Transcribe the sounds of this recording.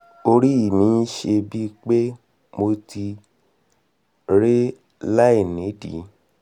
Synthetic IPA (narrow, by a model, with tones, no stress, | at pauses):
o˧ɾi˦i˦˨mĩ˨˦ʃe˧bi˦k͡pe˦ | mo˧ti˧ | ɾe˦ | la˦i˦˨nĩ˨˦dḭ˨˦